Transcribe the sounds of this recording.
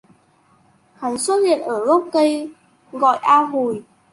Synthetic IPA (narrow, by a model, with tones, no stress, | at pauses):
ha˨˩˦ŋswə˦˥t̚hḭ˧˨ənʔəː˧˩ɣɔ˦˥wk͡p̚kə˧j | ɣɔ̰˧˨jʔaː˧ɦu˨˩j